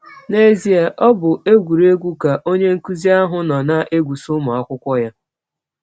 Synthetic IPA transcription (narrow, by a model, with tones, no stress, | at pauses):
ne˦zi˨a˨ʔɔ˦bʊ˨e˦ɡʷu˨ɾe˦ɡʷu˦ka˨ʔo˦ɲe˦ŋ̩˦ku˦zi˦a˦ɦʊ˦nɔ˨na˦ʔe˦ɡʷu˨sʊ˦mʊ˨a˦kʷʊ˦kʷɔ˦ja˦